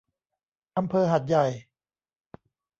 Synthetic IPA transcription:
ʔa˧mpʰɤː˧ɦa˨˩t̪̚ja˨˩j

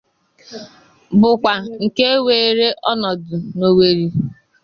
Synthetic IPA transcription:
bʊ˨kʷa˨ŋ̩˨ke˦weː˨ɾe˦ʔɔ˦nɔ˨dʊ˨no˨we˨ɾi˦

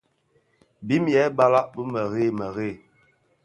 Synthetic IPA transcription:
bi˦mjɛ˨˦ba˦la˦ʔbə˦mə˨ɣe˦˨mə˨ɣe˦˨

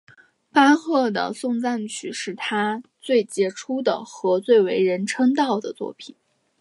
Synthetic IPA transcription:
pa˥xɤ˥˩d̪ə̰˩sʊ˥˧ŋt͡sa˥˩nt͡ɕʰy˨˩ʂɻ̩˥˩t̪ʰa˥t͡swe˥˩ɪt͡ɕjɛ˧˥ʈ͡ʂʰu˥d̪ə̰˨˩xɤ˧˥t͡swe˥˩ɪwe˧˥ɪɻə˧˥nʈ͡ʂʰɤ˥ŋt̪ɑ˥˩ʊd̪ə˩t͡swɔ̰˥˩pʰi˨˩˦n

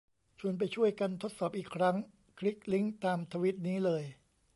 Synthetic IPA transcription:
t͡ɕʰu˧ənp̬a˧jt͡ɕʰu˥˩əjka˧nt̪ʰo˦˥t̪̚sɔː˨˩p̚ʔiː˨˩kʰɾa˦˥ŋ | kʰɾi˦˥k̚li˦˥ŋt̪aː˧mt̪ʰaː˧wi˦˥t̪̚niː˦˥lɤː˧j

